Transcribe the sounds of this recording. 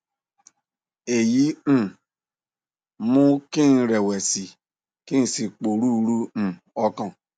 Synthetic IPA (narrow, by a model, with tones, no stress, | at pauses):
e˨ji˦ñ̩˦˨ | mũ˦kĩ˦n̩˧ɾɛ˨wɛ˨si˨ | kĩ˦n̩˧si˨k͡po˨ɾu˦˧ɾu˦ñ̩˨ | ɔ˧kã˦˨